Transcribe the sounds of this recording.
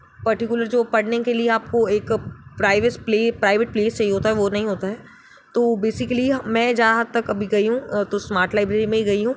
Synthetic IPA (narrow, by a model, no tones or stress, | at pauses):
pɐɾʈɪkjʊləɾd͡ʒoːpɐɽnekelieaːp̚koeːkpɾaːɪʋespleːpɾaːɪʋeʈ̚pleːst͡ʃɐɦiɦoːt̪aɦɛʋonɐɦĩɦoːt̪aɦɛː | t̪oːbeːsɪkəliɦmɛ̃ːd͡ʒaːaɦɐd̪̚t̪ɐkɐbʱiɡɐiɦũt̪osmaːɾʈlaːɪbɾeːɾimẽɦiɡɐiɦũː